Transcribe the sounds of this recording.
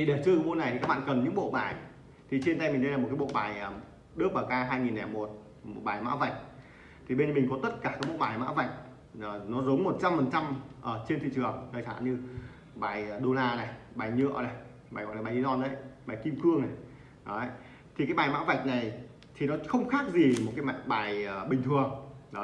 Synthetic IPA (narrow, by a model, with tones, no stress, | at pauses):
i˨˩ɗe˨˩t͡ɕɨ˧˩ɓo̰˧˨na˨˩jt̪i˨kaː˦˥k̚ɓ̰ːkə˨˩nɲɨ̰˧˥ŋɓo̰˧˨ɓaː˨˩j | t̪ʰi˨˩t͡ɕi˧nt̪a˧jmï˨˩ɗə˧jlːa˨˩m̚˨˩kaː˨˦ɓo̰˧˨ɓaː˨˩j | ɗɨ˦˥ək̚ɓaː˨˩wkaː˧ɦaː˧jŋi˨˩nːaː˨˩mo˨˩t̚ | mo˨˩t̚ɓaː˨˩jma̰ː˧˥wva˨˩jk̟̚ | t̪ʰi˨˩ɓe˧nmï˨˩ŋ̟kɔ˨˦t̪ə˦˥t̚kaː˧˩kaː˨˦jɓo̰˧˨ɓaː˨˩jma̰ː˧˥va˨˩jk̚ | ə˨˩nɔ˨˦zo˨˦ŋ͡mmo˨˩t̚t͡ɕa˧mfə˨˩nt͡ɕa˧mʔəː˧˨˩t͡ɕe˧nt̪ʰḭ˧˨t͡ɕɨ˨˩əŋtʰəː˨˩sa̰ː˧˨nɲɨ˧ | ɓaː˨˩jɗo˧laː˧na˨˩jɓaː˨˩jɲɨ̰˧˨əna˨˩j | ɓaː˨˩jm˨˩nː˨˩ɓaː˨˩zi˧˦zɔ˧nʔə˨˦jɓaː˨˩jki˧mkɨ˧əŋna˨˩j | ɗɔ˨˦ə˧˦j | t̪ʰi˨˩kaː˨˦jɓaː˨˩jma̰ː˧˥wva˨˩jk̟̚na˨˩j | t̪ʰi˨˩nɔ˨˦xə˧wŋ͡mxaː˦˥k̚zi˨˩m˨˩t̚kaː˨˦ma̰ː˧ɓaː˨˩jə˨˩ɓï˨˩ŋ̟t̪ʰɨ˨˩əŋɗɔ˨˦